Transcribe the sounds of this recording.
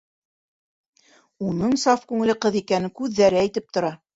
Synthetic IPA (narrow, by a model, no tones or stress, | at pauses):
unɤɴsɑfkʉŋɘ̆lɘqɤðikænɘkʉðːæɾɘæjt̪ɘp̚t̪ŏɾɑ